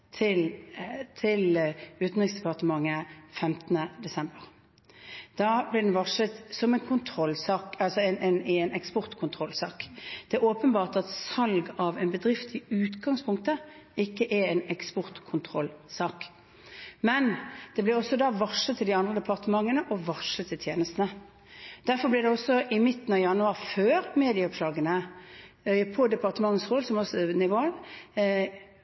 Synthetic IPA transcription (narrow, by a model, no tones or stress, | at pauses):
t̪ʰɪlt̪ʰɪlʉːt̪n̩ʁɪŋsd̪ɛpɑʁt̪əmɑŋːəfɛmt̪ənəd̪ɛsɛmbəʁ | d̪̥ɑːblɪd̪ɛnʋɑʂət̪sɔmɛnkʰʊnt̪ʰʁɔlːsɑːkɑlsɔɛnɛnɛnɛkspɔʁt̪kʰʊnt̪ʰʁɔlsɑːkd̪̥ɛoːpənbɑːʁt̪ɑt̪sɑlɡɑʋɛnbəd̪ʁɪft̪ɪʉːt̪ɡɑŋspʰʊŋkt̪əɪkːəʔɛɾɛnɛkspɔʁt̪kʰʊnt̪ʰʁɔlsɑːk | mɛnd̪̥ɛblɪɔsːɔd̪ɑʋɑʂət̪ʰːɪld̪ɪɑnd̪ʁəd̪ɛpʰɑʁt̪əmɑŋːənəʔɔʋɑʂət̪ʰːɪlt̪ʰjeːnəst̪nə | d̪̥æɾfɔblɪd̪ɛɔsːɔʔɪmɪt̪ːənɑʋjɑnʉɑːʁføːɾmeːd̪ɪəɔpslɑːɡənə | pʰɔd̪ɛpɑʁt̪əmɑŋːəsʁoːd̪sɔmɔsnɪʋoːl